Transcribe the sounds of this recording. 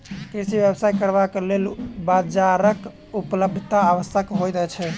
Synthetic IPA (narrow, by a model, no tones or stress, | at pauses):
kɾisibjebsaikəɾbakelelbad͡ʒaɾək | upləb̚d̪ʱət̪aːʋəsəkɦojt̪ɛt͡ʃʰɛ